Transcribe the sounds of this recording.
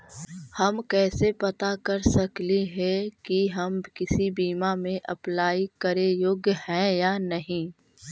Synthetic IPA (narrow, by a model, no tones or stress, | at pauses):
hɐmkɛːsepɐt̪akɐɾsɐkliɦɛkiɦɐmkɪsibiːmamẽʔɐplaːikɐɾejoːɡjəhɛ̃jaːnɐɦĩː